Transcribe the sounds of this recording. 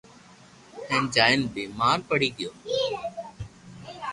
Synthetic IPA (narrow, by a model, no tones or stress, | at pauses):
heːnd͡ʒaːjɪnbeːmaːɾpəɽiːɡɪjoː